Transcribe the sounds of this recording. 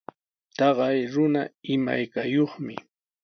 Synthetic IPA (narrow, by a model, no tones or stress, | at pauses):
t̪ɑɢɑjɾʊnaɪma̰jkajoχmɪ̰